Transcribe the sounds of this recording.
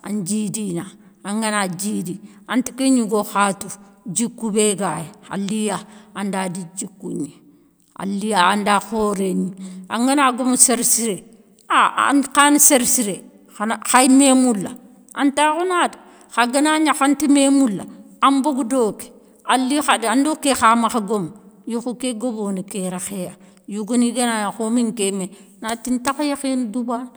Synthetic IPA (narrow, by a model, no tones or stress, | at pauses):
a̰nd͡ʒidina | aŋɡanad͡ʒidi | antikeɲiɡoxatu | d͡ʒikːubeɡajea̰lːijaandadid͡ʒikːuɲi | a̰lːijaandaxoɾeɲia̰ŋɡanaɡomuseɾsiɾe | aa̰nkanseɾsiɾe | axajmemulːa̰ | ʔantakunada | xaɡanaɲaxantimemulːa̰ | amboɡdoke̥ | alːixadandokːexamaxaɡomjuxukeɡobonikeɾaxeja | juɡoniɡanajaxomiŋkemenatintaxjexinduban